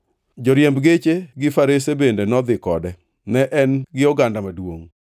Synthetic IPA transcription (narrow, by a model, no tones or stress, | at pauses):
d͡ʒɔɾjembɡet͡ʃeɡɪfaɾesebendenɔd̪ɪkɔdɛ | nɛʔɛnɡɪɔɡandamadwo̰ŋ